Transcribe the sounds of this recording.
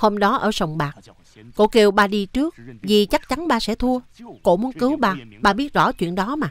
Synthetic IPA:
ho˧mɗɔ˨˦ʔəː˧˩sə˨˩wŋ͡mɓaː˨˩k̚ | ko̰˧˥ke˧˩wɓaː˨˩ɗi˧t͡ɕɨ˦˥ək̚vi˨˩t͡ɕa˦˥k̚t͡ɕa˨˦nɓaː˨˩sɛ̰˧˥t̪ʰu˧əko̰˧˥mu˨˦ənkɨ˨˦wɓaː˨˩ɓaː˨˩ɓi˦˥ət̚zɔ̰˧˩t͡ɕwḭ˧˨ənɗɔ˨˦maː˨˩

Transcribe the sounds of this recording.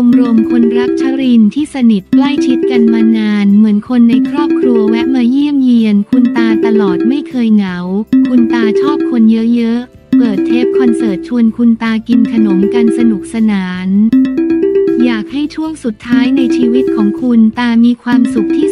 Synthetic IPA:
o˧mɾu˧əmkʰo˧nɾa˦˥k̚t͡ɕʰa˧˥ɾi˧nt̪ʰiː˥˩sa˧ni˨˩t̪̚kla˥˩jt͡ɕʰi˦˥t̪̚ka˧nmaː˧naː˧nmɯ˩˦ənkʰo˧nːa˧jkʰɾɔː˥˩p̚kʰɾu˧ɐwɛ˦˥ʔmaː˧ji˥˩əmji˧ənkʰu˧nt̪aː˧t̪a˧lɔː˨˩t̪̚ma˥˩jkʰɤː˧jŋa˩˦wkʰu˧nt̪aː˧t͡ɕʰɔː˥˩p̚kʰo˧njɤ˦˥ʔjɤ˦˥ʔ | pɤː˨˩t̪ʰːeː˦˥˩p̚kʰɔ˧nsɤː˨˩t̪̚t͡ɕʰu˧ənkʰu˧nt̪aː˧ki˧nkʰa˧no˩˦mka˧nsa˧nu˨˩k̚sa˧naː˩˦n | jaː˨˩k̚ha˥˩jt͡ɕʰu˥˩əŋsu˨˩t̪ʰːaː˦˥jna˧jt͡ɕʰiː˧wi˦˥t̪̚kʰɔː˩˦ŋkʰu˧nt̪aː˧miː˧kʰwaː˧msu˨˩k̚t̪ʰiː˥˩

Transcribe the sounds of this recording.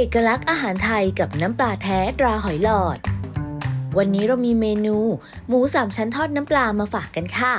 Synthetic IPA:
ʔeː˨˩kːa˧la˦˥k̚ʔaː˧ɦaː˩˦nt̪ʰa˧jka˨˩p̚na˦˥mplaː˧t̪ʰɛː˦˥t̪ɾaː˧ɦɔ˨˩˦jlɔː˨˩t̪̚ | wa˧nːiː˦˥ɾa˧wmiː˧meː˧nuː˧ | muː˩˦saː˨˩mt͡ɕʰa˦˥nt̪ʰɔː˥˩t̪̚naː˦˥mplaː˧maː˧faː˨˩kːa˧nkʰaː˥˩

